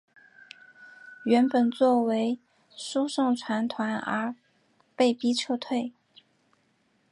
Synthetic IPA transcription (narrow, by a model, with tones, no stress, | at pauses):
ɥɛ˧˥npə˨˩nt͡swɔ˥˩we˧˥ɪ | ʂu˥ʂɤ˥˩ŋʈ͡ʂʰwa˧˥nt̪ʰwa˧˥nə̰˞˧˥ | pe˥˩ɪpi˥ʈ͡ʂʰɤ˥˧t̪ʰwe˥˩ɪ